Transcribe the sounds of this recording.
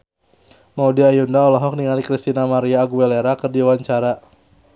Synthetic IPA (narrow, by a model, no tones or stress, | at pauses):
maudiajundaɔlɔɦɔk̚niŋalikɾist̪inamaɾiaːɡuɛleɾakərdiwaɲt͡ʃaɾa